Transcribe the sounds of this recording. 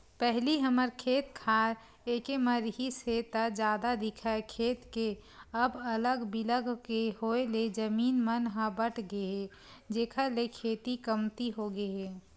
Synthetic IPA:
pɛɦliɦəməɾkʰeːt̪kʰaːɾ | eːkeməɾɦiset̪əd͡ʒjaːd̪ad̪ɪkʰaekʰeːt̪keəbələɡbɪləɡkeɦoeled͡ʒəmiːnmənɦãbəʈʰɡəeɛ | d͡ʒeːkʰəlekʰeːt̪ikəmt̪iɦoɡəeɦɛː

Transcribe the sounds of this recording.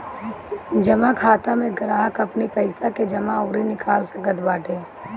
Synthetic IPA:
d͡ʒɐmakʰaːt̪amẽɡɾaːɦəkɐpnipɐɪsaked͡ʒɐmaoːɾinɪkʰaːlsəkət̪baːʈeː

